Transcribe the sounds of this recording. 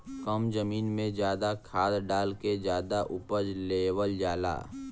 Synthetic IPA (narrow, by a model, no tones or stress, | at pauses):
kəmd͡ʒəmiːnmẽd͡ʒjaːd̪akʰaːd̪ɖaːlked͡ʒjaːd̪aʔʊpəd͡ʒleːwəld͡ʒaːla̰ː